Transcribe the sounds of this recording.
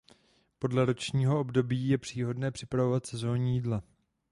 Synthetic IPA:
po̞dlɛɾo̞t͡ʃɲiːɦo̞o̞bdo̞biːjɛpr̝̥iːɦo̞dnɛːpr̥ɪpɾavo̞vat̪sɛzo̞ːɲijiːdla

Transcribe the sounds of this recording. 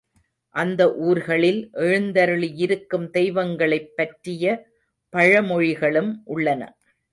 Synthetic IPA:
ʔɐnd̪ɐʔuːɾɣɐɭɪlʔɛɻɯnd̪ɐɾɯɭijɪɾɯkːɯmt̪ɛɪʋɐŋɡɐɭɐɪpːɐʈrɪjɐ | pɐɻɐmɔɻɪɣɐɭɯmʔʊɭːɐnɐ̰

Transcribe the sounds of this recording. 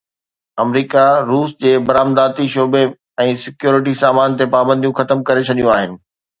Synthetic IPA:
ɐmɾiːkaɾuːsd͡ʑeːbɐɾaːmd̪aːt̪iʃoːbe | ɛ̃ːsɪkjoːɾɪʈ̬isaːmaːnt̪epaːbə̃nd̪ʱijũxɐt̪əmkɐɾet͡ɕʰɐɗijũaːɦɪnɪ̆

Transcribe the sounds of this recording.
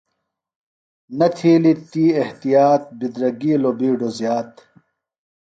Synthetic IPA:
nɐt̪ʰiːlit̪iːeht̪ijaːt̪̚bid̪ɾɐɡiːlobiːɖozjaːt̪

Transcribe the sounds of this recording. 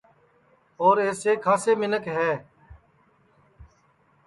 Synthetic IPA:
oːɾeːseːkʰaːseːmɪnəkɦɛː

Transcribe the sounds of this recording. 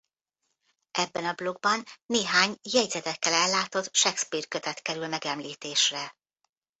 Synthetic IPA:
ʔɛbːɛnɒblo̞ɡ̚bɒnːeːɦaːɲjɛɟzɛt̪ɛkːɛlɛlːaːt̪o̞t̪ʃɛkspiːrkøt̪ɛt̪kɛɾylmɛɡɛmliːt̪eːʃrɛ

